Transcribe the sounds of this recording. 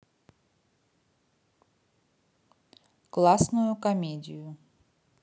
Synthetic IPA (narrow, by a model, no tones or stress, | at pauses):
klˠasnʊjʊkɐmʲedʲɪjʊ